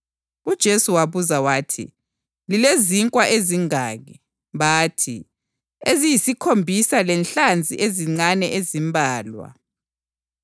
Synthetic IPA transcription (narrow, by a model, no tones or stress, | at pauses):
ud̥ʒ̥ʱesuwaβuzawaːtʰḭ | lileziŋkʼwaʔeziŋaːɣɛ | βaːtʰḭ | ezijisikʰombʱisalɛnɬand͡zʱiʔeziŋ͡ǀanɛʔezimbʱaːlwa̰